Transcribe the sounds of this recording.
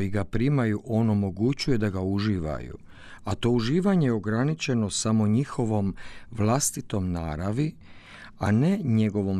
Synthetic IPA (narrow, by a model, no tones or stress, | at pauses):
jiɡapɾimajuʔo̞no̞mo̞ɡut͡ɕuje̞d̪aɡauʒiːʋa̰jṵ | at̪o̞uʒiːʋaɲejo̞ɡɾanit͡ʃe̞no̞samo̞ɲixo̞ʋo̞mʋlast̪it̪o̞mna̰ːɾaʋi | ane̞ɲe̞ɡo̞ʋo̞m